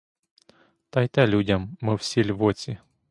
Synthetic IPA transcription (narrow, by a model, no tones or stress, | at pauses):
t̪ɐjt̪ɛlʲudʲɐmːɪwsʲilʲʋɔt͡sʲi